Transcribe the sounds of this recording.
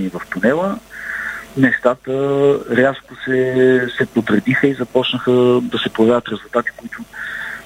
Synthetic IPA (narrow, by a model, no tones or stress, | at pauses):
iivɐft̪unɛlˠə | mɛst̪at̪əɾʲaskʊsɛsɛpod̪əɾd̪ixəizɐpɔt͡ʃnəxəd̪ɐsɛpʊjɐvʲjavət̪ɾɛzulˠt̪at̪i̥koit̪ʊ